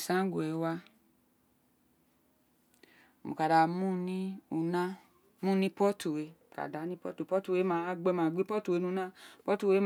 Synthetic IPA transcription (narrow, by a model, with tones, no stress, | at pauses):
sã˨˦ɡo˨e˨˦wa˧˨ | mṵ˨ka˨da˨mũ˦nĩ˦u˧nã˦ | mũ˦nĩ˦pɔ˦tu˨we˨˧ka̰˨da˨˦nĩ˦pɔ̰˦to˨pɔ˦tu˨we˨˦mã˦a˦ɡ͡bɛ˦mã˨ɡ͡bi˦pɔ˦tu˨e˨˧˦nũ˧˦nã˦pɔ˦tu˨we˨˦m